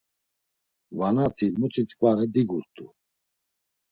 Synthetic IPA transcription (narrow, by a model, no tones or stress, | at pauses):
vanat̪ʰimut͡s̪ʰʼit͡sʼkʼvaɾɛd̪iɡuɾt̪ʼu